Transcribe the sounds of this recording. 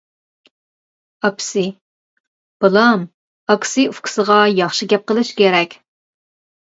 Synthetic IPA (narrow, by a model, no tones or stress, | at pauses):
ɑpʰɪ̥sɨ | b̥ɨlˠɑm | ɑkʰɪ̥sɨufkʰʲʊ̥səʁɑjɑχʃiɡʲɛp̚qəlˠɨʃkʲeɾɛkʲ